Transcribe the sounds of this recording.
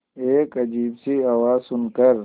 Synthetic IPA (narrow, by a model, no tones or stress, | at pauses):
eːkɐd͡ʒiːbsiawaːzsʊnkəɾ